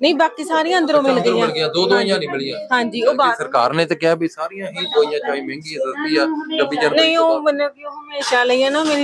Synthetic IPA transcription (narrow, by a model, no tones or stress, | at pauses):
nəĩːbaːkiːsaːɾijãːənd̪əɾõːmɪlɡəãːɡɪjãːd̪oːd̪oːjãːnibəɽɪjãːɦãːɲd͡ʒiːoːbaːsəɾkaːɾneːt̪eːkɪaːbiːsaːɾijãːɦiːd̪oːijãːt͡ʃaːĩːmẽːŋɡiːãːsəsd̪iːaːkəbiːd͡ʒəɾnəĩːoːənaːioːɦəmeːʃaːləiːãːnameːɾiː